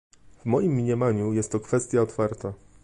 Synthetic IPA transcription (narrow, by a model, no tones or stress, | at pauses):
vmɔjimːʲɲɛmaɲujɛst̪ːɔkfɛst̪ʲjaɔt̪faɾt̪a